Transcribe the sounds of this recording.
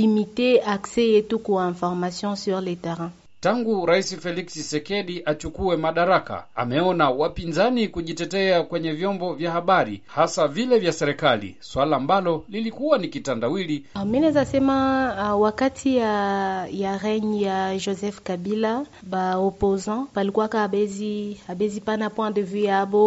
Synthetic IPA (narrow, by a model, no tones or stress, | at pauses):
limiteaksɛjɛtukuɛ̃fɔʁmasjɔ̃syʁletɛʁɛ̃ | taŋɡuɾaisifɛliksisɛkɛɗiʔat͡ʃukuɛmaɗaɾaka̰a̰mɛɔnawapinzanikuʄitɛtɛakwɛɲɛvjɔmbɔvjahaɓaɾḭhasavilɛvjasɛɾɛkalḭswalaːmbalɔlilikuwanikitandawiliminɛzasɛmawakatʰiajaʁɛɲijaʒɔzɛfkaɓila | ɓaɔpɔzɑ̃palikuwakaɓɛziaɓɛzipanapwãdəvujaɓɔ